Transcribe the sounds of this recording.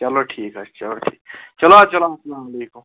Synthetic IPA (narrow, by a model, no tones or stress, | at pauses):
t͡ʃɐloʈʰiːkɦɐst͡ʃɐloʈʰiːkt͡ʃɐlaːt͡ʃɐlasɐlaːmɐleːkum